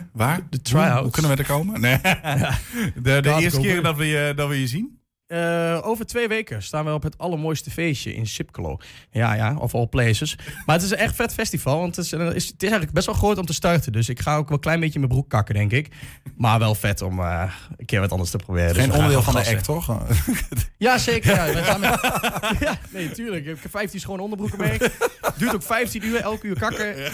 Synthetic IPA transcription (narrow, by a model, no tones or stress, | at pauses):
ʋaːdətʰɹaaukønəʋədəkowməejaədəɪsəkɪdɔtʋɪjədɔtʋɪjəzin | əoːvəɹtʰʋeːʋeːkəstaːnʋəɔpɦətɑləɹmojstəfeːsjə̰ʔɪ̰nsɪp̚kəlo̰ːja̰ja̰ɔ̰fɔlˠpleːsəsmaətɪs̬ənɛxtfɛtfɛstifɑlˠʋɑntsɪstɪsɛjŋnləɡ̚bɛstʋɛlˠχroːtɔmtəstœrtədøsɪkχaoːkʋɛlˠklɛjnbeːjəməbruk̚kːakədɛŋkɪk | marʋɛlˠfɛtoməəkɪːɹʋɔtɔ̰ndərstəprobɪːrədenɔndɪːlˠfɔndəɛktʰɔx | jaseːkərjaɛam | janeːtyːɹləkkfɛjftisχoːnondəbrukəmɛkdyːətokfɛjftinyːɛlˠkyːkakə